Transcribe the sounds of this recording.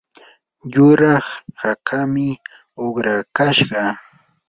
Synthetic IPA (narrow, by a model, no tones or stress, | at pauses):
jʊɾɑχhakʰamɪ | oχɾakaʃɢɑ